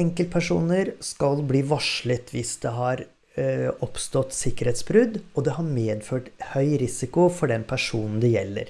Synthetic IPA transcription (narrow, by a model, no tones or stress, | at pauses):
ɛŋkəlt̪̚pʰæʂuːnəɾskɑlbliːʋɑʂɭət̪ʰʋɪsd̪ɛɦɑɾ | ɔpst̪ɔt̪ːsɪkːəɾheːt̪sbɾʉd̪ɔd̪ɛhɑɾmeːd̪føːʈhœʏɾɪsɪkʊfɔɖɛnpʰæʂuːnn̩d̪ɛjɛlːə̰ɾ